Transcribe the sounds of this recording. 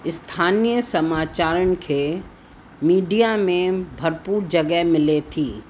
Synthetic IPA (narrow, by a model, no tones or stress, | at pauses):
ɪst̪ʰaːnijəsɐmaːt͡ʃaːɾʊnɪ̆kʰe | miːɖijamẽbʱɐɾpuːɾd͡ʒɐɡəɦmɪlet̪ʰiː